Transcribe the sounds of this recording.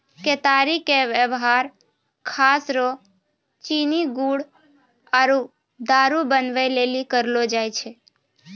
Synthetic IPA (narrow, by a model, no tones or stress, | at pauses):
ket̪aɾikeʋjəʋɦaɾ | kʰaːsɾo | t͡ʃiniɡuɽ | aɾu | d̪aɾubənʋelelikəɾlod͡ʒajt͡ʃʰe